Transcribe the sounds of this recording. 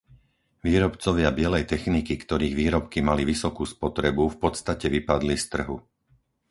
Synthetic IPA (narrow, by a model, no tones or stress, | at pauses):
ʋiːɾɔpt͡sɔʋɪabɪɛlɛjt̪ɛxnikikt̪ɔɾiːɣʋiːɾɔpkimaliʋisɔkuːspɔt̪ɾɛbufpɔt̪st̪acɛʋipad̪list̪r̩ɦu